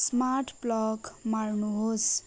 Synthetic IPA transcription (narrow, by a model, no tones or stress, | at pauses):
smaɾʈplʌkmarnuɦos